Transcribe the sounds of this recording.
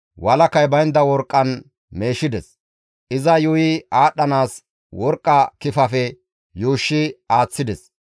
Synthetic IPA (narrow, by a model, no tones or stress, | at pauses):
wɐlɐkɐjbɐjnd̪ɐwɔɾkʼːɐn | me̞ːʃɪd̪ɛs | ʔɪzɐjʊjɪaːɗːɐnaːs | wɔɾkʼːɐkɪfɐfɛ | juːʃːɪaːt͡sːɪd̪ɛs